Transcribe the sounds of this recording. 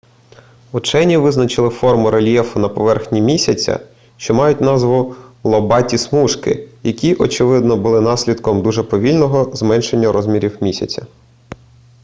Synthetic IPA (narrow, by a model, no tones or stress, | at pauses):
ʊt͡ʃɛnʲiʋɪznɐt͡ʃɪlˠɪfɔrmʊɾelʲjɛfʊnɐpɔʋɛrxnʲimʲisʲɐt͡sʲɐ̰ | ʃt͡ʃɔmɑjʊt̚ʲnɑzʋʊlˠɔbɑtʲismuʃkɪ̰jɐkʲiʔɔt͡ʃɪʋɪd̪nɔbʊlˠɪnɑsʲlʲid̪kɔmd̪uʒɛpɔʋʲilʲnɔɦɔzmɛnʃe̞nʲːɐɾɔzʲmʲiɾʲiwmʲisʲɐt͡sʲɐ